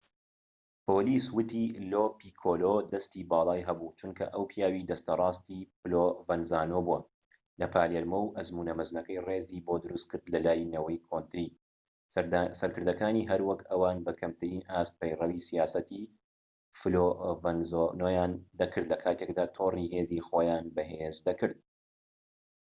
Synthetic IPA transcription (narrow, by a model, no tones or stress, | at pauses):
poːliːswʊt̪iloːpiːkʰoːlod̪ɐst̪iːbɑːlˠɑːjɦɐbut͡ʃunkʰɐ̰ʔɐwpʰjaːwid̪ɐst̪ɐrˤɑːst̪ifɨlovɐnzaːnoːbuɐ | lɐpʰaːleɾmɐwʔɐzmuːnɐmɨznɐkɐjreːziːboːd̪ɨɾust̪̚kɨɾd̪lɐlaːjnɐwɐjkʰont̪ɾi | sɐɾkɨɾd̪ɐkaːniːɦɐɾwɐkɐwaːnbɐkʰɐmt̪ʰɨɾiːnʔaːst̪̚pɐjrɐwisijaːsɐt̪i | flovɐnzonoːjaːnd̪ɐkʰɨɾd̪lɐkʰaːt̪ʰekd̪aːt̪ʰoːriɦeːzixoːjaːnbɐɦezd̪ɐkɨɾd̪̚